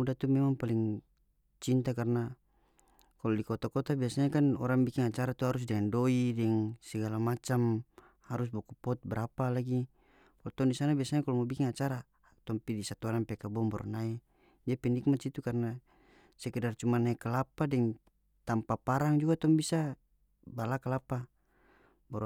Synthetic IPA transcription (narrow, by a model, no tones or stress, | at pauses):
udat̪umɛmaŋpaliŋ | t͡ʃint̪akarna | kalɔdikɔt̪akɔt̪abiasaɲakanɔɾaŋbikiŋat͡ʃaɾat̪uɦaɾus̬dɛŋandɔidɛŋsɛɡalamat͡ʃam | haɾusbɔkupɔt̪̚bəɾapalaɡi | kalt̪ɔŋdisanabiasaɲakalɔmɔbikiŋat͡ʃaɾa | t̪ɔmpidisat̪ɔɾaŋpɛkabɔmbɔ̰rnai | d͡ʒapɛnik̚mat̪sit̪ukarna | sɛkɛdart͡ʃumanaɛkalapadɛŋ | t̪ampapaɾaŋd͡ʒuɡat̪ɔŋbisa | balakalapa | bɔ